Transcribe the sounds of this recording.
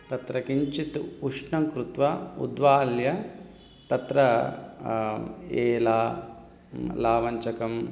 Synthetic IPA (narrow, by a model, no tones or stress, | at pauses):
t̪ɐt̪ɾɐkiɲt͡ʃit̪uʂɳɐŋkɾut̪ʋɐṵd̪ʋaːljɐ | t̪ɐt̪ɾɐ | eːlaː | laːʋɐɲt͡ʃɐkɐm